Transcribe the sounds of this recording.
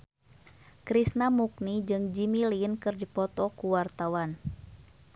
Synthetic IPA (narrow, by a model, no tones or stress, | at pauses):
kɾisnamuk̚nid͡ʒɨŋd͡ʒimilinkɨrdipɔt̪ɔkuwart̪awan